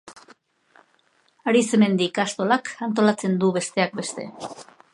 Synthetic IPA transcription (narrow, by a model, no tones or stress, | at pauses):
aɾiseme̞nd̪ikast̪o̞lakant̪̬o̞lat͡se̞nd̪uβe̞st̪e̞ak̚be̞st̪e̞̰